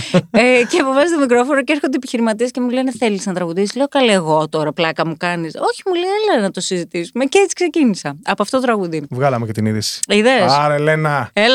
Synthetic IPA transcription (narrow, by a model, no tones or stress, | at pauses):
eceɐpovɐzit̪omik̬ɾo̞fo̞ɾoceeɾxod̪epiçiɾimɐt̪̬iesce̞muleneθe̞lisnɐt̪ɾɐɣuðisizliɣo̞kɐlieɣo̞t̪o̞ɾɐplɐkɐmukɐniso̞çi̥muleelenɐt̪o̞sizit̪isume̞ceet͡si̥kse̞cinisɐɐpoɐft̪otot̪ɾɐɣuðivɣɐlɐmecet̪iniðisi̥iðesɐɾelenɐel